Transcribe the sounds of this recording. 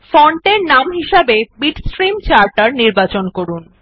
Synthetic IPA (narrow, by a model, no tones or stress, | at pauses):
fɔɳʈeɾnamɦiʃebebiʈsʈɾimt͡ɕaɾʈaɾniɾbat͡ɕonkoɾun